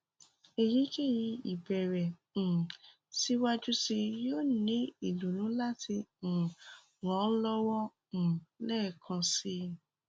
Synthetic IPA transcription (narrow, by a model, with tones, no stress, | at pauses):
e˨ji˨˦ke˦˨ji˧i˨bɛ˨ɾɛ̃˨ | si˧wa˦d͡ʒu˦si˧jo˦˨nĩ˨˦i˦˨lu˨nũ˨˦la˦tĩ˧˨ | wɔ̃˨˦lɔ˦wɔ̃˦˨ | lɛː˦˨kʰã˧si˧